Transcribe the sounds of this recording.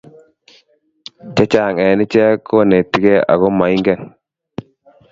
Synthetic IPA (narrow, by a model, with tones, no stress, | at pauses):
t͡ʃa˦t͡ʃa˨ŋɛ˨nɪ˦t͡ʃɛ˦kːo˦ne˨tːi˦ɡɛ˦a̰˨ɣo˦ma˨i˦ŋɡɛ˦˨n